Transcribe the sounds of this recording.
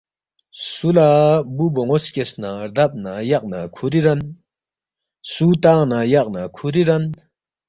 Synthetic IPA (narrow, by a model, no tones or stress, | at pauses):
sulabuboŋoskesnaɾd̪ap̚najaq̚nakʰuɾiɾɐn | suːt̪aːnajaq̚nakʰuɾiɾɐn